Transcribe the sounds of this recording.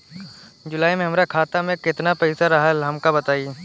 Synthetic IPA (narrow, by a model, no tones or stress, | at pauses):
d͡ʒʊlaːimẽɦɐmɾakʰaːt̪amẽkɪt̪napɛɪsaɾɐɦəlɦɐmkabɐt̪aːi